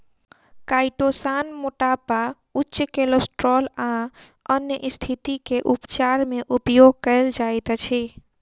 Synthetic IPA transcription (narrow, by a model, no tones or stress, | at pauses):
kaiʈosanmoʈapa | utːt͡ʃkelosʈɾɔlãənjəʔist̪ʰit̪ikeʔupt͡ʃaɾmeʔupjoɡ̚kəɪld͡ʒajt̪t͡ʃʰi